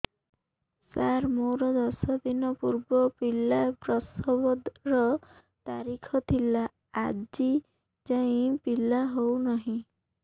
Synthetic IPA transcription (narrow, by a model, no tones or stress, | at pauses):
saɾmoɾɔd̪ɔsɔd̪inɔpuɾbɔpilapɾɔsɔbɔd̪ɾɔ | t̪aɾikʰɔt̪ʰilaː | d͡ʒi | d͡ʒaĩpilaɦownɔɦĩ